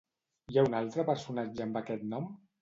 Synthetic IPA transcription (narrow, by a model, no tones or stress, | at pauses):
jaunalˠt̪ɾəpəɾsunad͡ʒəːmbakɛt̪nɔm